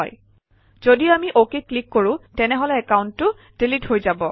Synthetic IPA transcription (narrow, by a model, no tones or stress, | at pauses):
ɔj | z̥odiamiʔokiklikːoɹʊ̃tɛnɛɦɔlɛɛkauntːʊ | d̥ilitɦojzabɔ